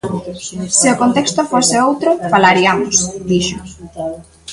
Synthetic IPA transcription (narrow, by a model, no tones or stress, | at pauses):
seʊkont̪ekst̪ʊfosɪowt̪ɾʊfalaɾiamʊsd̪iʃʊ